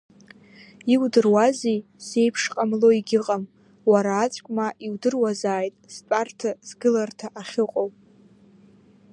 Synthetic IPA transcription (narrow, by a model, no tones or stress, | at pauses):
iwdɨrwazij | se̞jpʰʂqʼamlo̞iɡʲɪqʼam | waɾaːt͡sʷʼkʷʼmaʔiwdɨrwazaːjtʼspʼartʰaz̥ɡɨlartʰaʔaχʲɪqʼowpʼ